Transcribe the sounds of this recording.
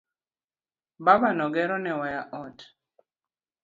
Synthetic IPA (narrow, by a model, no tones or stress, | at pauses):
babanɔɡɛɾɔnɛwajaʔɔt